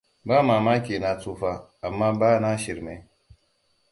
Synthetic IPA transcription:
baː˦maː˨maː˦kʲeː˨na˦t͡suː˦ɸa˦a˨mːaː˦baː˦na˦ʃɪ˨ɾme˦

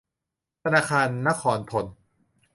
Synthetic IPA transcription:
t̪ʰa˧naː˧kʰaː˧nːa˦˥kʰɔː˨˩˦np̪ʰo˨˦n

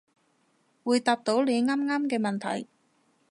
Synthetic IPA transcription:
wuː˨˧jt̪aː˨˧p̚t̪o˨˥wle˨˧ŋaː˥mŋaː˥mkɛː˧mɐ˨˩nt̪ʰɐ̰˨˩j

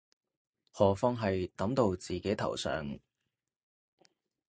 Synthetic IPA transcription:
hɔː˨˩fɔː˥ŋɦɐ˨jt̪ɐ˨˥mt̪o˧wt͡siː˨˩ke˨˥t̪ʰɐ̰˨˩wsœ̰ː˨ŋ

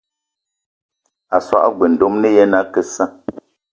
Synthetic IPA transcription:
a˨swa̰˦˨ʔɡwe˨n̩˨do˦mne˦jɛ˦na˦kə˨sa˦

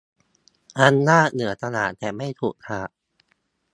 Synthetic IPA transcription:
ʔa˧nːaː˥˩nɯ˩˦ɐt̪a˧naː˨˩t̪t̪ɛː˨˩ma˥˩jt̪ʰuː˨˩k̚t̪ʰaː˨˩ʔ̚

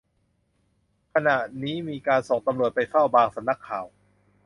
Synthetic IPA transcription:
kʰa˧na˨˩ʔniː˦˥miː˧kaː˧nso˨˩ŋt̪a˧mɾu˨˩ət̪̚pa˧jfa˥˩wbaː˧ŋsa˨˦mna˦˥kʰːaː˨˩w

